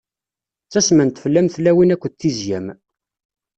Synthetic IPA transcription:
t͡sːæsmænt̪fəlːæmθlːæwinækʷːət͡s̪ːizjæm

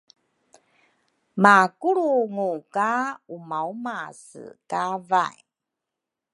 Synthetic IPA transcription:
makuɾuŋukaumaumasɨ̰kava̰j

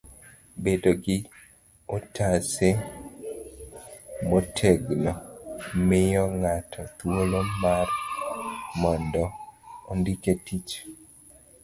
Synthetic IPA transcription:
bedoɡɪ | otʰase | motʰeɡlɔmɪjɔŋatʰɔt̪wolomar | mɔndɔːndiketit͡ʃ

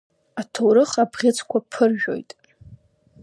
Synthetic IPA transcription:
atʰowɾɨχabʁʲɪt͡sʰkʷʰapʰɨrʒᶣo̞̰jtʼ

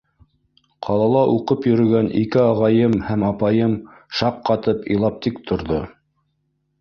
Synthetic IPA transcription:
qʰɑlˠɑlˠɑʔuqɤpjɵ̆ɾɵ̆ɡænʔikɘɑʁɑjɤmhæmɑpɑjɤm | ʃɑqːɑt̪ɤpḭ̆jlˠɑp̚t̪ikt̪ʰŏɾðo

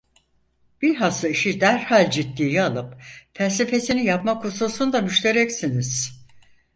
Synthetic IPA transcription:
b̥iɾɦasɯiʃid̪æɾhalʲd͡ʒit̪ːiːjialˠɯpfælʲse̞fe̞sinijapmakʰusosund̪amyʃlʲe̞ɾɛcsiniz̥

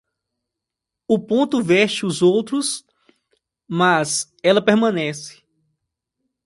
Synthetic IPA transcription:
ʊpõnt̪ʊvɛʃt͡ʃɪʊzowt̪ɾʊs | maz | ɛlɐpeɾmɐ̃nɛsɪ̥

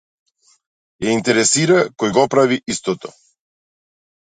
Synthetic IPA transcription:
jɛint̪ɛɾɛsiɾakɔjɡɔpɾaviist̪ɔt̪ɔ

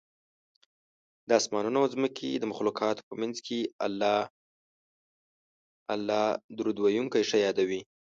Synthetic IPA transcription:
d̪əɑsmɑnunaawzməkʰed̪əmʊxlukʰɑt̪o̥pəmanzkʰeal | alːɑd̪uɾud̪wajuŋkajʂajɑd̪awi

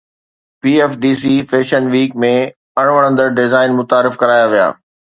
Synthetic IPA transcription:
piːɛːfɖiːs̬iːfeːʃənʋiːkmẽ | ɐɽ̃ʋəɽ̃ə̃nd̪əɾɖɪzaːɪnmʊt̪aːɾɪfkɐɾaːjaʋija̰ː

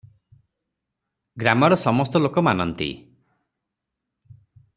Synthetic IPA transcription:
ɡɾamɔɽɔsɔmɔst̪ɔlokɔmanɔnt̪ḭ

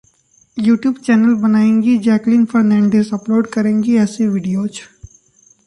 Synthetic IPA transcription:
juːʈjuːbt͡ʃɛːnəlbɐnaːẽːŋɡid͡ʒɛːklĩnfʰɐɾnɛ̃ːɳɖeːsɐploːɖkɐɾẽːŋɡiɛːseʋɪɖijoːt͡ʃ

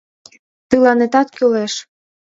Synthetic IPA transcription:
t̪ɯlɑnet̪ɑt̪køleʃ

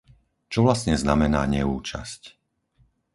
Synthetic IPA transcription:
t͡ʃɔʋlasɲɛznamɛnaːɲɛuːt͡ʃa̰sc

